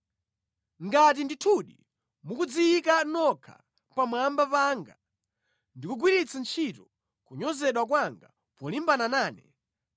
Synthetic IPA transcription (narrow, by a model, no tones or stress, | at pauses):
ŋɡat̬inditʰuɗḭ | mukud͡ziikanɔkʰa̰ | pamwambapaːŋɡa | ndikuɡwiɾit͡sʰant͡ʃʰitɔ | kuɲɔzɛɗwak̬waŋɡa | pɔlimbananaːnɛ